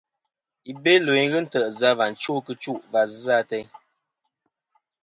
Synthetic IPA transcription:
i˨be˦le˨˦ɣə˦n̩˦tə˨ʔza˦va˨n̩˨t͡ʃo˦˨kɨ˦t͡ʃu˦˨ʔva˨za˦tɛ˦

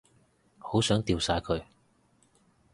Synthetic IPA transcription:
ho˨˥wsœː˨˥ŋt̪iː˨˧wsaː˨˧˥jkʰɵ˨˧ɥ

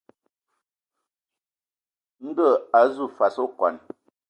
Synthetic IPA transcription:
ŋ̩˦ɡə˦˨a˨zu˦˨fa˨so˦˨kwa̰˨n

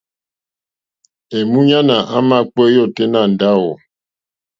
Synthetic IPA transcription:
e˨mu˦ɲa˦na˨ʔa˦ma˦˨k͡pɛ˦jɔ˦˨te˦na˦˨n̩˨da˦wɔ˨

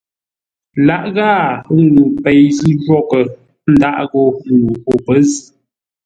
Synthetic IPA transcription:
la˦ʔɣaː˦˨˦ŋ˦ɡu˨pɛ˨jzi˦d͡ʒwɔ˦˨kə˨ | n̩˦da˦ʔɣɔ˨u˨o˨pə˨˦zi˨

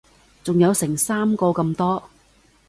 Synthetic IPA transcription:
t͡sʊ˨ŋjɐ˨˧wsɪ˨˩ŋsaː˥mkɔː˧kɐ˧mt̪ɔː˥

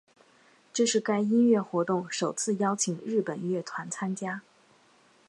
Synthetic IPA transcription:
ʈ͡ʂɤ˥˧ʂɻ̩˥˩ka˥ɪi˥nɥɛ˥˩xwɔ˧˥t̪ʊ˥˩ŋʂo˨˩ʊt͡sʰɹ̩˥˩jɑ˥ʊt͡ɕʰi˨˩ŋɻɻ̩˥˩pə˨˩n˥ɥɛ˥˩t̪ʰwa˧˥nt͡sʰa˥nt͡ɕja˥

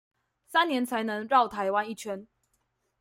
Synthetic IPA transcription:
sa˦njɛ˨˦nt͡sʰa˨˦ɪnə˨˦ŋɻɑ˥˨ʊt̪ʰa˨˦ɪwa˦ni˥˨t͡ɕʰɥɛ˦n

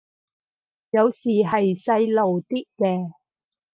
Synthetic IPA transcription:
jɐ˨˧wsiː˨˩ɦɐ˨jsɐ˧jlo˨˩wt̪iː˥t̚kɛː˧

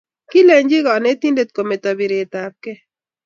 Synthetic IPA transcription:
ki˦lɛ˨ɲd͡ʒi˦ɡɔ˨ne˦t̪i˦ndet̪̚komet̪ɔbiɾeːt̪aːp̚ke˦

